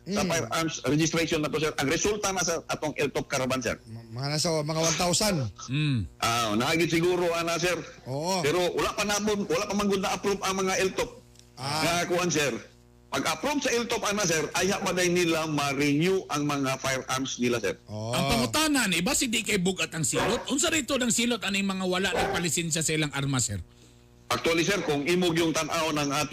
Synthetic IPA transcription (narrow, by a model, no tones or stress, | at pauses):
sɐfajɾamsɾɛd͡ʒɪst̪ɾɛʃonːɐt̪os̬ɛɾʔɐŋɾɛsult̪anasɛɾɐt̪oŋʔɛlt̪op̚kɐɾabansɛ̰ɾɐanasɐmɐŋawant̪awsan̩ | ʔanɐʔaɡɪd̪̚sɪɡuːɾoʔanasɛɾopɛɾo̞wɐlaʔpɐnaponwɐlaʔpɐmaŋɡod̪nɐʔɐpɾobɐŋmɐŋaʔɛlt̪op̚ | ŋakakʊʔansɛɾ | pɐɡapɾob̚sɐʔɪlt̪opʔanasɛɾajhaʔpad̪ajnɪlamɐɾɪɲjuʔɐŋmɐŋafajɾʔamsnɪlasɛ̰ɾʔɐŋpɐmʊt̪aːnɐnɪbasɪd̪ɪkajbʊɡat̪ɐŋsiːlot̪̚ʔʊnsaɾit̪onɐŋsiːlot̪ɐnɪŋmɐŋawɐlaʔnɐɡ̚pɐlɪsɛnʃ̬asɐʔɪlaŋʔaɾmasɛɾ | ʔɐk̚t̪ʊalɪsɛɾkʊŋʔiːmoɡjʊŋt̪ɐnʔawnɐŋʔaːt̪